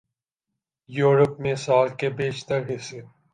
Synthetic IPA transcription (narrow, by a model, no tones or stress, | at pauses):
juːɾəpmẽsaːlkebeːt͡ʃt̪əɾɦɪse